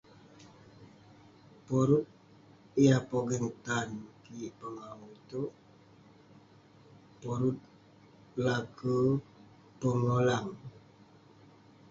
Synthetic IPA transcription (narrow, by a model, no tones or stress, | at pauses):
pɔɾut̪̚ | ijapɔɡənt̪ankipəŋaŋut̪oʔ | pɔɾut̪̚ | lakə | pəŋolaŋ